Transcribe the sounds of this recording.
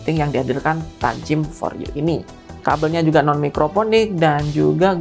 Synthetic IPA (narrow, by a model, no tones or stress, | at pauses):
t̪ɪŋjaŋdiadilkant̪a̰ɲt͡ʃɪmfɔ̰rḭo̰ʔini | ka̰bəlɲad͡ʒuɡanɔnmikɾoponɪk̚dand͡ʒuɡaɡ